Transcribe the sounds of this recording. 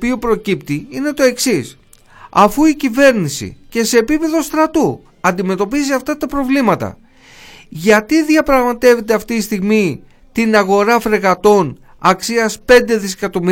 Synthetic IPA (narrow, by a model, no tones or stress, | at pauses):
piopɾo̞cipt̪iine̞t̪o̞e̞ksis | ɐ̰fuicive̞ɾnisḭce̞se̞ːpipe̞ðo̞st̪ɾɐt̪u | ɐnd̪ime̞t̪o̞piziɐft̪ɐt̪ɐpɾo̞vlimɐt̪ɐ̰ | ʝɐt̪iðiɐpɾɐɣmɐt̪e̞ve̞t̪e̞ɐft̪ist̪iɣmi | t̪inɐɣo̞ɾɐfɾeɣɐt̪o̞n | ɐksiɐspe̞nd̪e̞ðise̞̥kɐt̪o̞mi